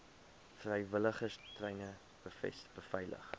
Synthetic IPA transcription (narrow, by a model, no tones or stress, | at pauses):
frəjvələχəstrəjnə | b̥əfɛ̰sb̥əfɐjlə̰χ